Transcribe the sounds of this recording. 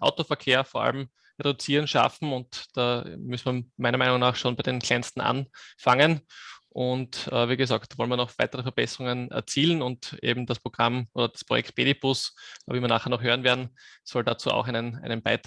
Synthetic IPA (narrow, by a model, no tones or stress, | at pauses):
ʔa̰ʊtofɛɐkʰeːɐfoːɐʔa̰lm | ʁedʊt͡siːʁənʃa̰fm̩ʊntd̥a̰ːmʏsnmɐmæɪnɐmæɪnʊŋnaːχʃoːnbæɪdenkʰl̥ɛɪnstn̩ʔa̰nfaŋənʔʊntʔəviːɡəzaːktv̥ɔlnviːɐnɔχv̥æ̰ɪtəʁəfɛɐb̥ɛsəʁʊŋənɛ̰ɐt͡siːlən̩ʊntʔḛːbm̩d̥aspʁoɡ̥ʁamʔoːdɐd̥aspʁ̥ojɛ̰ktb̥eːdib̥ʊsviːviɐnaːχheɛɐnɔχɦøːʁənveːɐdn̩sɔldat͡suːa̰xæɪnənʔæ̰ɪnənb̥aɪt